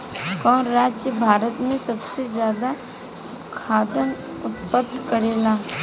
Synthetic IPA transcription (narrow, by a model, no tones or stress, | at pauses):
kɔ̃ːnɾaːd͡ʒjəbʱaːɾət̪mẽsɐbsezjaːd̪a | kʰaːd̪ən | ʊt̪pəd̪kɐɾeːlaː